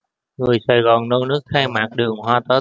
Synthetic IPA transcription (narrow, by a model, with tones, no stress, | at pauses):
ŋɨ˨˩əjsaː˨˩jɣɔ˨˩nnə˧wnɨ˦˥ək̚xa˧jmaː˨˩k̚ɗɨ˨˩əŋɦwaː˧t̪əː˨˦˥